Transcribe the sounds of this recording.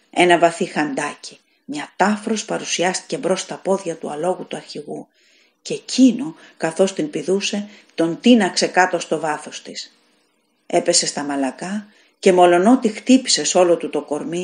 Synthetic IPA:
e̞nɐvɐθixɐnd̪ɐci | mɲɐt̪ɐfɾo̞spɐɾusiɐst̪i̥ce̞bɾo̞st̪ɐpo̞ðʝɐt̪uɐlo̞ɣut̪uɐɾçiɣu | cecʰino̞kɐθo̞st̪inpiðuse̞ | t̪o̞nt̪inɐkse̞kɐt̪o̞st̪o̞vɐθo̞st̪is | e̞pe̞se̞st̪ɐmɐlɐkɐ | ce̞mo̞lo̞no̞t̪ixt̪ipi̥se̞so̞lo̞t̪ut̪o̞ko̞ɾmi

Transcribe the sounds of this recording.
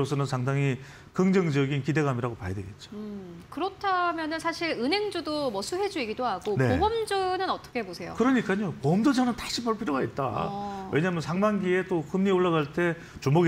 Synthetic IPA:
osʰʌnɯnsʰaŋdaŋi | kɯŋd͡ʑʌŋd͡ʑʌɡinkide̞ɡamiɾaɡopajadwe̞ɡe̞t̚t͡ɕ͈o̥kɯɾʌtʰamjʌnɯnsʰaɕʰiɾɯnɦe̞ŋd͡ʑudomʌsʰuɦe̞d͡ʑuiɡidoɦaɡone̞obʌmd͡ʑɯnɯnʌt͈ʌ̥kʰebosʰe̞jo̰kɯɾʌɲik͈aɲomʌmdʌd͡ʑʌnɯntaɕʰipʌɭpʰiɾjoɡait̚t͈a̰we̞ɲaːmjʌnsʰaŋmanɡie̞t͈ohɯmɲioɭːaɣaɭt͈e̞ | t͡ɕumoɡ

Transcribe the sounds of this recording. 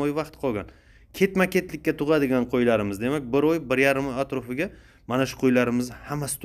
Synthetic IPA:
ojvɑqt̪qʰɒɡʲan | kʲʰe̞t̪makʲʰe̞t̪lɪkʲːat̪ʰʊʁɑd̪ɪɡʲanqʰojlaɾɪmɪzd̪e̞mak̚ʲbɪɾojbɪɾjaɾɪmat̪ɾofɪɡʲa | manaʃʊ̥qʰojlaɾɪmɪzhamːasɪ̥t̪ʰ

